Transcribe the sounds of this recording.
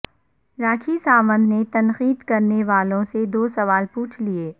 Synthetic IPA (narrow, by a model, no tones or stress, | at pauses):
ɾaːkʰisaːmə̃nd̪ʱnet̪ɐnxiːd̪kɐɾneʋaːlõsed̪oːsɐʋaːlpuːt͡ʃʰlieː